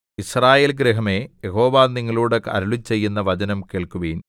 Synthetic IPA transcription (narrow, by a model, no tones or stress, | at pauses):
israːjeːlɡɾeɦɐme̞jeɦo̞ːʋaːnːiŋːɐɭuːɽɐkːɐ̰ɾuɭit͡ɕːe̞jːunːɐʋɐd͡ʑɐnɐmkeːɭkuʋiːn